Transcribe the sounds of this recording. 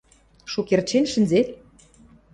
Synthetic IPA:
ʃukert͡ɕenʃə̆nzet̪̚

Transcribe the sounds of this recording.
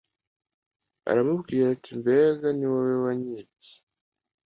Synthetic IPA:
a̰ɾamuβɡiːɾatimbeːɡaniwawewaɲiti̥

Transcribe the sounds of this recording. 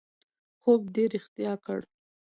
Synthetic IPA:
xoɡ̚ɖeɾɪxt̪jɑkə̰ɽ

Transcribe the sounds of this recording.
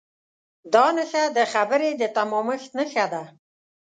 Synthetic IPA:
d̪ɑnəʃad̪əxabəɾed̪ət̪amɔməxt̪nəʃad̪a

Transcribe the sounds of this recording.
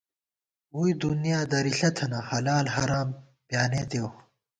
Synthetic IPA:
uid̪unijaːd̪ɐɾiɬɐt̪ʰɐnahɐlaːlɦɐɾaːm | bjaːneːt̪ew

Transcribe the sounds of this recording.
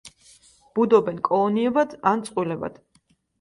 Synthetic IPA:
b̥ud̪ɔbɛnkʼɔlˠɔniɛbad̪ant̪sʼqʼwilɛba̰d̪̥

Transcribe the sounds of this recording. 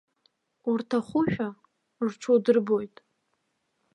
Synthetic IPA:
urtʰaχʷʊʃᶣa | rʈ͡ʂʷʰodɨrbo̞jtʼ

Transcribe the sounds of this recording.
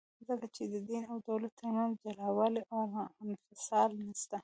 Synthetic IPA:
zəkat͡ʃed̪əd̪inawd̪awlat̪ːanumd͡ʒalawaleʔamaɪnfɪsɑlnast̪a

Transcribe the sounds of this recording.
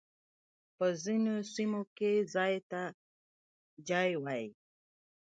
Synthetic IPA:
pəzinosimokezɑjt̪a | d͡ʒajwaji

